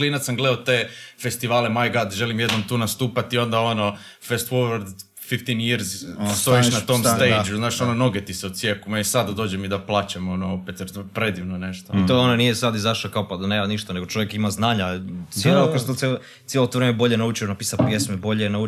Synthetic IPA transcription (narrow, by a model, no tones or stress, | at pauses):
kliːnat̪samɡled̪aot̪eːfe̞st̪iʋaːlemajɡad̪ʒelimjed̪nomt̪uːnast̪uːpat̪io̞nd̪aono | fest̪woɾaɾd̪ | fift̪injiɾzst̪oiʃnat̪omst̪ejd͡ʒuznaːʃonono̞ɡet̪iseusjekumaisad̪ad̪o̞ːd͡ʑemid̪aplˠaːt͡ɕamo̞noopet̪jeɾpɾed̪iʋnoneʃt̪oit̪oononijesad̪izaʃlakaopad̪aneːmaniʃt̪ane̞ɡo̞t͡ʃo̞ʋjekimaznaːɲat̪sjelokost̪ot̪sel | t̪jelot̪oɾeːmebo̞ʎenaut͡ʃionapiːsapjesmebo̞ʎenau